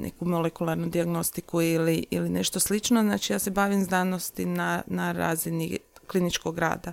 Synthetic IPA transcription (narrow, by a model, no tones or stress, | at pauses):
nʔḛkumolekulˠaɾnud̪iaɡno̞st̪ikuiliḭline̞ʃt̪o̞slit͡ʃnoznaːt͡ʃijaːse̞baːʋimznaːnost̪inanaɾa̰ːziniklinit͡ʃkoɡɡɾa̰ːd̪a